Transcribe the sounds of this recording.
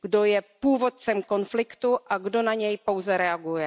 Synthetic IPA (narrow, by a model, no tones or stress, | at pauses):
ɡdo̞jɛpuːvo̞t̪̚t͡sɛmko̞nflɪkt̪uʔaɡdo̞naɲɛjpo̞wzɛɾɛaɡujɛ